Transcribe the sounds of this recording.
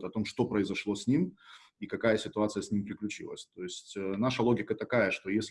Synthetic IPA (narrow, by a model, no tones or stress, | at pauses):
t̪ɐt̪o̞mʂt̪o̞pɾəɪzɐʂlˠo̞sʲnʲim | ikɐkajəsʲɪt̪ʊat̪sɨjəsʲnʲimpɾʲɪklʲʉt͡ɕḭlˠə̰sʲt̪o̞ɪsʲtʲənaʂəlˠo̞ɡʲɪkət̪ɐkajəʂt̪o̞jesʲlʲ